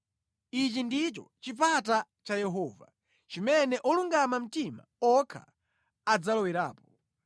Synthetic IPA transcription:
it͡ʃindit͡ʃɔt͡ʃip̬ata | t͡ʃajɛɦɔːva̰ | t͡ʃimɛnɛʔɔluŋɡamam̩tima̰ɔkʰa̰ | ad͡zalɔwiɾaːpɔ

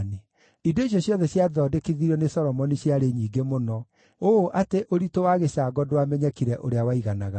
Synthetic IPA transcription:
ne | idoiɕ̬jɔɕjɔðɛɕjaðɔdekiðiɾɔnesɔɾɔmɔniɕjaɾeɲiːɡemonɔ | oʔateʔoɾitowaɣeɕaːɡɔdowamɛɲɛkiɾɛʔoɾeawaiɣanaɣa

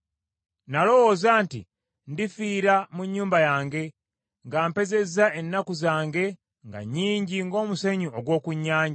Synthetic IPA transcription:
nalo̞wo̞ːzaːntḭ | ndifiːɾamuɲːuːmbajaːŋɡe̞ | ŋɡaːmpe̞ze̞zaenːakuzaːŋɡe̞ | ŋɡa̰ɲiːɲɟiŋɡo̞ːmuseɲuoɡwo̞ːkuɲːaːɲɟa

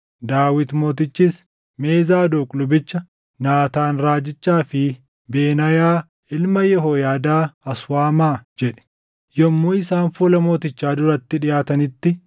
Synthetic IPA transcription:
d̪aːwɪt̪mo̞ːt̪ɪt͡ʃːiːs | me̞ːzaːd̪oːkʼlʊbɪt͡ʃːɐ | naːt̪aːnɾaːd͡ʒɪt͡ʃːaːfɪ | be̞ːnɐjaː | ɪlmɐjɛɦoːjaːd̪aːɐswaːmaːd͡ʒɛᶑɛ̥ | jɔmːuːɪsaːnfuːlɐmo̞ːt̪ɪt͡ʃːaːd̪ʊɾɐt̪ːɪᶑɪjaːt̪ɐnɪt̪ːɪ

